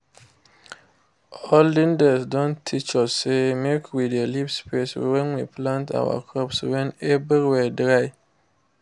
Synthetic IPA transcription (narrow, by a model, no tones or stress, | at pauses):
ɔlːĩndɛsdɔ̃ntʰit͡ʃɔsemekʰwidelipspeswɛ̃nwiplãnta̰wa̰kʰɾɔpswɛ̃nɛviɾwɛdɾaj